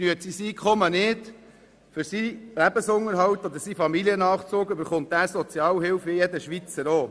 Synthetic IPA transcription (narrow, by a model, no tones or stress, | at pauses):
nyətsisiːkχɔmənɪd | fʏɾsilæbəsʊŋəɾɦɑwt̪ɔd̪əɾsifɑmiliənɑːχt͡suːkøbəɾχʊnt̪̚æːsɔt͡sjɑːwɦɪwfɪjɛdəʃʋit͡səɾoː